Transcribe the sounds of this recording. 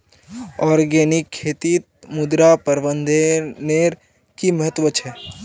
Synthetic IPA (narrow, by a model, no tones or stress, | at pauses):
ɔːɾɡɛːnɪkʰːeːt̪iːt̪̚mʊd̪ɾapɐɾbə̃nd̪ʱeneːɾ | kimɐɦət̪ʋət͡ʃʰɛː